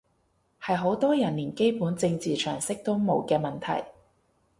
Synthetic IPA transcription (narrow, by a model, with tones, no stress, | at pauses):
hɐ˨jɦo˨˥wt̪ɔː˥jɐ˨˩nːiː˨˩nke˥jpuː˨˥nt͡sɪ˧ŋt͡siː˨t͡ʃʰœ̰ː˨˩ŋsɪ˥k̚t̪o˥wmo˨˧wkɛː˧mɐ˨˩nt̪ʰɐ̰˨˩j